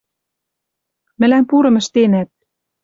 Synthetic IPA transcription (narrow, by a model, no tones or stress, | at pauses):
mɘ̆læmpuɾɤ̆mə̆ʃt̪enæt̪̚